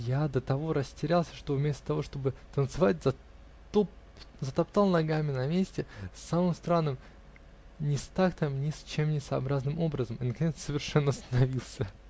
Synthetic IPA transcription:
jad̪ət̪ɐvo̞ɾəsʲtʲɪɾʲalˠsʲəʂt̪o̞vmʲest̪ə̥t̪ɐvo̞ʂt̪o̞bɨt̪ənt̪sɨvatʲz̥ɐ | t̪op | zət̪ɐpt̪alˠnɐɡamʲɪnɐmʲesʲtʲɪsːamɨmst̪ɾanːɨm | nʲɪst̪akt̪mnʲɪsʲt͡ɕemnʲɪsəɐbɾaznɨmo̞bɾəzəmɪnəkɐnʲet̪ssəvʲɪrʂɛnːəɐst̪ənɐvʲilˠsʲə

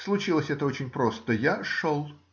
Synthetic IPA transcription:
slˠʊt͡ɕilˠəsʲɛt̪əot͡ɕɪnʲpɾo̞st̪əjaʂolˠ

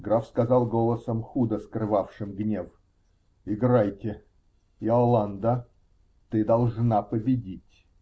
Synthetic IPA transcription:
ɡɾafskɐzɑlˠɡolˠəsəmxud̪əskɾɨvafʂɨmɡnʲef | ɪɡɾajtʲɪ | ɪɐlˠand̪ə | t̪ɨd̪ɐlˠʐnapəbʲɪdʲitʲ

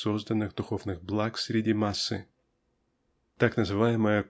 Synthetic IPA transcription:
so̞zd̪ənːɨɣd̪ʊxo̞vnɨɣblˠaksʲɾʲɪdʲimasːɨ̰ | t̪aknəzɨvajɪməjə

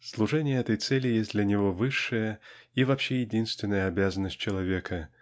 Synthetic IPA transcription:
slˠuʐɛnʲɪjəɛt̪əjt̪sɛlʲɪjesʲt̚ʲd̪lʲɐnʲɪvo̞vɨʂːɨjəivapɕːejɪdʲinst̪vʲɪnːəjəabʲazənːəsʲt̚ʲt͡ɕɪlˠavʲekʰə

